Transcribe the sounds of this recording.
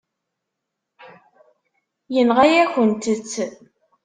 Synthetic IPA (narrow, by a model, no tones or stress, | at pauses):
jənʁajæçənt̪ət͡sː